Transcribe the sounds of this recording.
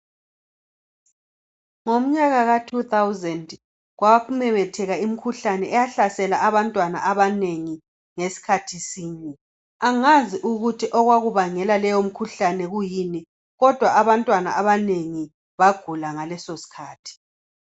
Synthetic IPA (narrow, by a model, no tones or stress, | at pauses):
ŋom̩ɲaɣaɣatʰut̪ʰawzɛnd | ɣwaumɛmɛtʰɛɣaim̩kʰuɬanɛɛjaɬasɛlaʔaβantʼwana̰ʔaβaneŋi | ŋesi̥kʰatʰisiːɲɛ | aŋaziʔuɣutʰiʔɔɣwaɣuβaŋɛlalɛjom̩kʰuɬanɛɣujini | ɣɔd̥ʱwaʔaβantʼwana̰ʔaβaneŋi | βaɡ̥ʱulaŋalɛsosi̥kʰaːtʰi̥